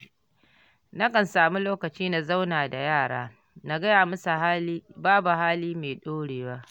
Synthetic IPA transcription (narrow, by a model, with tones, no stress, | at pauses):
na˦kɐ˨nsaː˨mu˦loː˦kɐ˨t͡ʃiː˦na˨za˦wnaː˨da˨jaː˦˨ɽa̰ː˦ | na˨ɡɐ˦jaː˨mɐ˦sa˨˦baː˦bu˨ɦaː˦liː˦meː˨ɗoː˦ɽeː˨waː˦